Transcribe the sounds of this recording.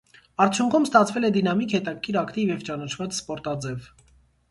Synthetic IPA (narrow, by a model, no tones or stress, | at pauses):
ɑɾt͡sʰjuŋkʰumst̪ɑt͡sʰvɛlɛd̪inɑmikhɛt̪ɑkʰːiɾɑkt̪ivjɛvt͡ʃɑnɑt͡ʃʰvɑt͡sspɔɾt̪ɑd͡zɛv